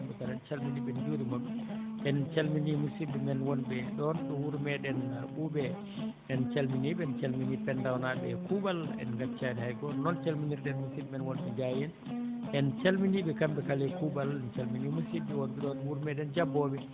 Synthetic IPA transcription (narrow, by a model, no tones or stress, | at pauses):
butaɾɛnt͡ʃalminibɛnd͡ʒoɾimaɗuʔɛnt͡ʃalminimusibɛmɛnwɔnbɛɗɔnɗɔwuɾmɛɗɛnaɓubɛ | ʔɛnt͡ʃalminiɓɛnt͡ʃalminipɛndawnabɛkuɓalɛ̰nɡat͡ʃːadɛhajkɔnɔnt͡ʃalminiɾdɛnmusibmɛnwɔnɓɛd͡ʒajɛn | ʔɛnt͡ʃalminiɓɛkambɛkalɛkubalɛnt͡ʃalminimusiːɛwɔnbɛɗɔnwuɾmɛɗɛnd͡ʒabːɔɓɛ